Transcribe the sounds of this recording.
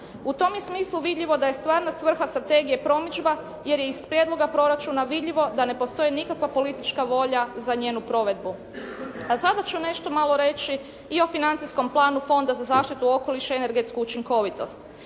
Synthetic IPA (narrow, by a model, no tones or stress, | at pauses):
ut̪o̞mjesmiːslˠuʋid̪ʎʲiʋo̞d̪aje̞st̪ʋaːɾnasʋr̩xast̪ɾat̪e̞ɡije̞pɾo̞mit͡ʃba | je̞ɾjeispɾjed̪lo̞ɡapɾo̞ɾat͡ʃunaʋid̪ʎiʋo̞d̪ane̞po̞st̪o̞jinikakʋapo̞lit̪it͡ʃkaʋo̞ʎazaɲeːnupɾo̞ʋe̞d̪bu | asad̪at͡ʃune̞ʃt̪o̞malˠoɾe̞t͡ʃi | io̞finant̪sisko̞mplˠaːnufo̞nd̪azazaːʃt̪it̪uo̞ko̞liʃeene̞ɾɡet̪skuːt͡ʃiŋko̞ʋit̪o̞̰st̪